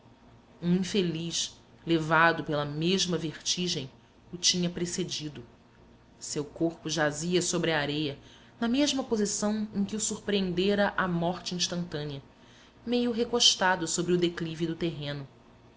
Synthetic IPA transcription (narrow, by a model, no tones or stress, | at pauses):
ũĩfeliʃ | levad̪ʊpelɐmeʒmɐveχt͡ʃiʒẽj̃ | ʊt͡ʃĩɲɐpɾesed͡ʒid̪ʊ | sewkoɾpʊʒaziɐsobɾɪɐaɾejɐ | nɐmeʒmɐpozisɐ̃w̃ẽj̃kɪʊsuɾpɾiẽnd̪eɾɐʔamɔχt͡ʃɪĩʃt̪ɐ̃nt̪ɐ̃niɐ | mejʊɦekoʃt̪ad̪ʊsobɾɪʊd̪eklivid̪ʊt̪eɦẽnʊ